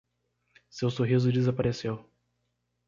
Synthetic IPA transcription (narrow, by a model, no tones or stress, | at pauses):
sewsoɦizʊd͡ʒɪzapaɾesew